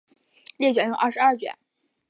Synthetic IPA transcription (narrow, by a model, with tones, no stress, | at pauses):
ljɛ˥˩t͡ɕɥɛ˧˥jʊ˥˧ŋʔa˥˩ʂɻ̩˧˥a˥˩t͡ɕɥɛ̰˨˩˦n